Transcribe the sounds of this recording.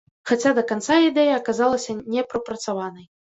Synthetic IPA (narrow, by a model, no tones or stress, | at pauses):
xat͡sʲad̪ɐkant̪said̪ɛjɐːkazalˠɐsʲɐnʲɛpɾɐpɾɐt̪savanɐj